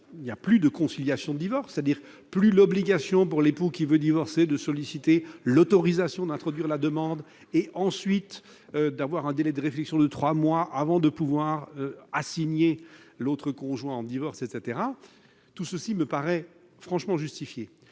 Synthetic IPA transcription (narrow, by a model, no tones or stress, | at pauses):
injaplyd̪əkɔ̃siljasjɔ̃d̪əd̪ivɔʁse̥t̪ad̪iʁ | plylɔbliɡʲasjɔ̃puʁlepukʲivød̪ivɔʁsed̪əsɔlisit̪elɔt̪ɔʁizasjɔ̃d̪ɛ̃t̪χɔd̪ɥiʁlad̪əmɑ̃d̪ | eʔɑ̃sɥit̪ | ød̪avwaʁɛ̃d̪elɛd̪əʁeflɛksjɔ̃d̪ət̪χwamwaʔavɑ̃d̪əpuvwaʁøasiɲelot̪χəkɔ̃ʒwɛ̃ɑ̃d̪ivɔʁset̪set̪eʁa | t̪usəsiməpaʁɛ | fχɑ̃ʃmɑ̃ʒyst̪ifje